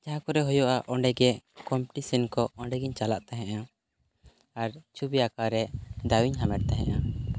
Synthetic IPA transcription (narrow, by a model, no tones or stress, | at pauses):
d͡ʒaɦãkɔɾɛɦɔjɔʔaʔɔɳɖɛɡɛkɔmpʈisinkɔɔɳɖɛɡiɲt͡ʃalaʔt̪ɛɦɛ̃ʔa | aɾt͡ʃubijakaɾɛd̪awiɲɦamɛʈ̚t̪ɛɦɛ̰̃ʔa